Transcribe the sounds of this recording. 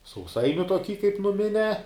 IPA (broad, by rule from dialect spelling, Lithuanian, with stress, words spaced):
sɐʊˈsɐɪnʲʊ toːˈkʲiː kɐp nʊˈmʲɪnʲæː